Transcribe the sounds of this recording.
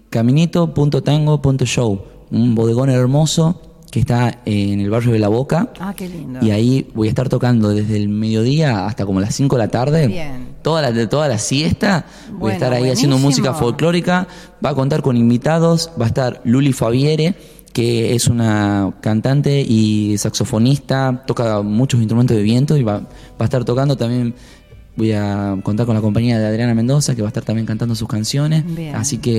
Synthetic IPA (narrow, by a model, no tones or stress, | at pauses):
kamĩnit̪o̞punt̪ot̪aŋɡo̞punt̪oʃow | umbo̞ð̞eɣo̞neɾmo̞so̞ | keht̪aene̞lβarjo̞ð̞elaβ̞o̞ka | iaiβo̞jaeht̪aɾt̪o̞kand̪o̞ðe̞zðelme̞ðjo̞ð̞iaa̰st̪ako̞molasiŋkoelat̪aɾðe̞t̪o̞ðalat̪o̞ðalasjest̪a | bo̞jaet̪aɾaiasje̞nd̪omusikafo̞lklo̞ɾika | baːko̞nt̪aɾko̞nimbit̪aðo̞sbaest̪aɾlulifaβjeɾe | keesunakant̪ant̪e̞ʔisakso̞fo̞nist̪at̪o̞kamut͡ʃosinst̪ɾument̪oðe̞βje̞nt̪oiβa | baest̪aɾt̪o̞kand̪ot̪ambje̞n | bo̞jako̞nt̪aɾko̞nlako̞mpaɲiaðeaðɾjanamend̪o̞sakeβaeht̪aɾt̪ambjeŋkant̪and̪os̬uhkansjo̞nesasike